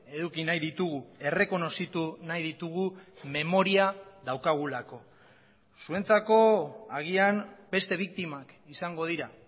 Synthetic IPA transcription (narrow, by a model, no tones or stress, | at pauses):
e̞ðukinajðit̪uɣue̞re̞ko̞no̞sit̪unajðit̪uɣume̞mo̞ɾiaðawkaɣ̞ulako̞ | sue̞nt͡sako̞aɣ̞ianbe̞st̪e̞β̞ik̚t̪imak | isaŋɡo̞ð̞iɾa